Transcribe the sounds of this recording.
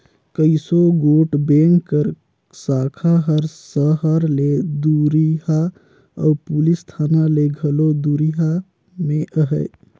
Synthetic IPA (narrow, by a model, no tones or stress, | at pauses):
kəɪsoɡoʈbeŋɡkəɾ | sakʰaɦəɾsəɦəɾled̪uɾiɦa | ə̰pulist̪ʰanaleɡʱəlod̪uɾiɦa | mẽʔəɦəɪ